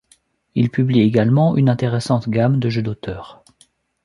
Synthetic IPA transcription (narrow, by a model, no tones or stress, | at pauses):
ilpyblieɡalmɑ̃ʔynɛ̃t̪eʁesɑ̃t̪ɡʲamd̪əʒød̪ot̪ʰœːʁ